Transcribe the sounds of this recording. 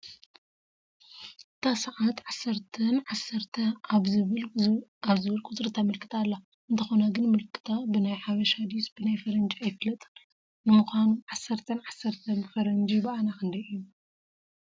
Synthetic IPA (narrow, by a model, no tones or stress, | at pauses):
ʔɨt̪ʰasɐʕat̪ʕasːɐɾt̪ʰɐnʕasːɐɾt̪ʰɐaβzɨβɨlaβzɨβɨlkʼʰʊt̪ʼɾɨt̪ʰamɨlkʰɨ̥t̪ʰalːa | ʔɨnt̪ʰɐxonaɡɨnmɨlkʰːɨ̥t̪ʰabɨnajħaβɐʃad̪isb̥ɨnajfɐɾɐnd͡ʒajfɨlɐt̪ʼɨ | nɨmɨxʷanuʕasːɐɾt̪ʰɐnʕasːɐɾt̪ʰɐbɨfɐɾɐnd͡ʒibɐʔanakɨnd̪ɐijːu